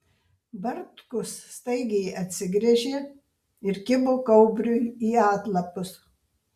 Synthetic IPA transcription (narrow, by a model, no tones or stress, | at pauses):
bɐɾt̪kʊsst̪ɐɪɡʲɛjɐt̪ʲsʲɪɡɾʲɛʒʲeː | ɪɾkʲɪboːkɐʊbʲɾʲʊiːɑːt̪lˠɐpʊs